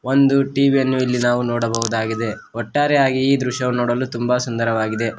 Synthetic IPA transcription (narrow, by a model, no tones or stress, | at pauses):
ond̪uʈiːʋijɐnːuilːinaːʋunɔːɽɐbɐɦud̪aːɡid̪e̞ | ɔʈːaːɾɛaːɡiːd̪ɾuʃɐʋunɔːɽɐlːut̪umbɐsund̪ɐɾɐʋaːɡid̪e̞